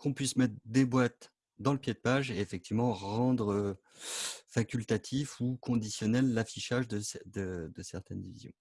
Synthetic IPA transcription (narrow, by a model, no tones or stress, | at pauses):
kʰɔ̃pɥismɛt̪χd̪ebwat̪ | d̪ɑ̃ləpjed̪əpaʒeːfɛk̚t̪ivmɑ̃ʁɑ̃d̪ʁə | fakʲylt̪at̪ʰifukʰɔ̃d̪isjɔnɛlːafiʃaʒd̪əsd̪əd̪əsɛʁt̪ɛnd̪ivizjɔ̰̃